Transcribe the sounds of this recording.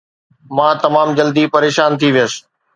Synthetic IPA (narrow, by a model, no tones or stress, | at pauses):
mãːt̪ɐmaːmd͡ʑɐld̪ipɐɾeːʃaːnt̪ʰiʋɪjəs